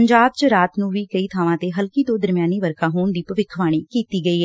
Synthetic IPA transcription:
əɲd͡ʒaːbt͡ʃəɾaːt̪nũːʋiːkəiːt̪ʰaːʋãːt̪eːɦəlkiːt̪õːd̪əɾmjaːniːʋəɾkʰaːɦoːɳd̪iːpəʋɪkʰːʋaːɽ̃iːkiːt̪iːɡəiːɦɛː

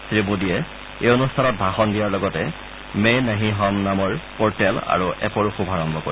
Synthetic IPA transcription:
sɹibudiɛ | ejonustʰanɔt̚bʱaxɔndijaɹlɔɡɔtɛ | menaɦiɦɔmnamɔɹpɔɹtɛla̰ɹuʔɛ̰poɹuxubʱaɹɔmbʱɔko̰i

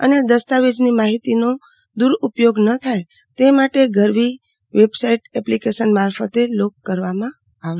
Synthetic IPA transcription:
ə̰ned̪əst̪aʋed͡ʒnimaɦit̪ino | d̪uɾupjoɡnət̪ʰaj | t̪emaʈeɡʱəɾʋi | ʋebsaiʈɛplikeʃənmaɾfət̪elokːəɾʋamã | aʋ

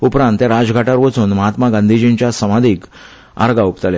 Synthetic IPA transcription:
upɾãnt̪jaɾad͡zɡʱaʈaɾʋət͡sunməɦat̪maɡãnd̪ʱid͡ʑĩnt͡ɕjasəmad̪ʱiːk | a̰ɾɡaupt̪alja

